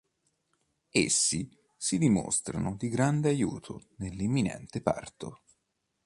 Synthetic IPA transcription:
ḛsːi | sid̪imo̰st̪ɾa̰nod̪iɡɾand̪eajṵːt̪ʰo̰nelːimːinɛ̰nt̪epa̰rt̪o̰

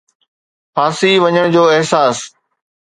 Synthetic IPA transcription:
faːsiʋɐɲəɽ̃d͡ʑoːɪɦsaːs

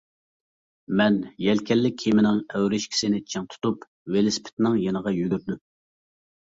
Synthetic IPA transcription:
mɛnjɛlkʲʰɛlːɪk̚ʲʰːimɪnɪŋɛwɾɪʃkʲʰi̥sɪnɪt͡ʃʰiŋt̪ʰu̥t̪up | welɪspʰɪ̥t̪ʰɪnɪŋjenəʁɑjyɡʲyɾd̪ym

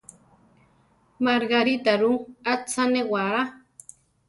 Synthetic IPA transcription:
maɾɡaɾit̪aɾuat͡sanewaɾa

